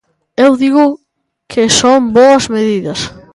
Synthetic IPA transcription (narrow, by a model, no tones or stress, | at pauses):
ewd̪iɣʊ | kʰɪsoŋboɐzmeðiðɐs